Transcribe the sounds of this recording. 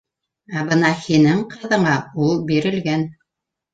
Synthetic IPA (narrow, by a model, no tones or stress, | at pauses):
æbɤnɑhinɘŋqɤ̆ðɤ̆ɴɑulˠbiɾɘ̆lɡæn